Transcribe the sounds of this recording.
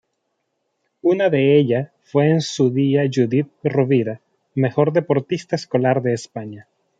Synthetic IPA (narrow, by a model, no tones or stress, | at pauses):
unaðe̞eʎa | fwe̞ːnsuðiaʝuðit̪̚roβiɾa | me̞xo̞ɾðe̞po̞ɾt̪ist̪aesko̞laɾðe̞ːspaɲa